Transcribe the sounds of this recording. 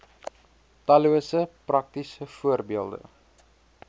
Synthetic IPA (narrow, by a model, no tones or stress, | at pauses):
tɐluəsəprɐk̚tisəfuərbiəlˠdə̰